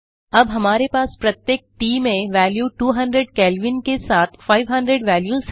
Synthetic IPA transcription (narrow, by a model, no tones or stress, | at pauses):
ɐbɦɐmaːɾepaːspɾɐt̪jek̚ʈiːmẽʋɛːljuːʈuːɦɐ̃ɳɖɾeɖkɛːlʋɪnkesaːt̪ʰfaːɪʋɦɐ̃ɳɖɾeɖʋɛːljuz